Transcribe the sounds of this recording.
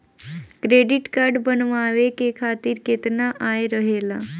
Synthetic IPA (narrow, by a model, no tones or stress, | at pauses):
kɾeɖiʈkaɾɖbənʋaʋekekʰat̪iːɾket̪naʔajɾəɦela